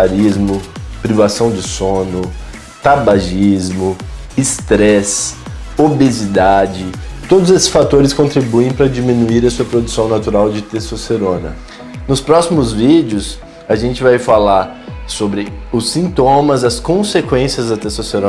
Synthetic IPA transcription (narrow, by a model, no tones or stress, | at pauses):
aɾizmʊpɾivasɐ̃w̃d͡ʒɪsõnʊ | t̪abaʒizmʊ | ɪst̪ɾɛsobezid̪ad͡ʒɪt̪od̪ʊzesɪ̥sfat̪oɾɪskõnt̪ɾibuẽj̃pɾɐd͡ʒimĩnuiɾɐsuɐpɾod̪usɐ̃w̃nat̪uɾawd͡ʒɪt̪esoseɾõnɐ̰ | nʊspɾɔsimʊzvid͡ʒɪʊs | ɐʒẽnt͡ʃɪvajfalaɾ | sobɾɪʊsːĩnt̪õmɐzɐskõsekwẽsiɐzd̪ɐt̪esoseɾõ